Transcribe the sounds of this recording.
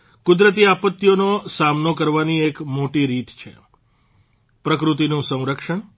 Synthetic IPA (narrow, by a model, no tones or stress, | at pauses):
kʊd̪ɾət̪iapət̪ːjonosamnokəɾʋaniekmoʈiɾit̪t͡ʃʰḛ | pɾəkɾut̪̬inũsə̃w̃ɾəkʃəɳ